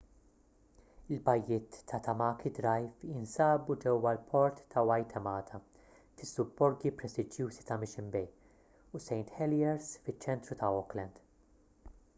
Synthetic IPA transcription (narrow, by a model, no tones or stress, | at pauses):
ɪlbɐjːɪːt̪ʰːɐt̪ɐmɐːkid̪ɾɐjfɪnsɐːbud͡ʒɛwːɐlpʰɔɾt̪ːɐwɐjt̪ʰɛmɐːt̪ʰɐ | fɪsːʊbːɔɾɡipɾɛst̪ɪd͡ʒjuːzit̪ɐmɪʃɪmbɛj | usɛjnt̪ħɛljɛɾsfɪt͡ʃːɛnt̪ɾut̪ɐɔklɛnd̪